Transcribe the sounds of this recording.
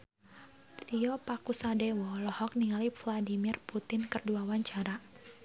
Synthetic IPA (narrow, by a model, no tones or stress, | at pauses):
t̪iɔpakusadɛwɔlɔhɔk̚niŋalifladimirput̪ɪnkərduawaɲt͡ʃaɾa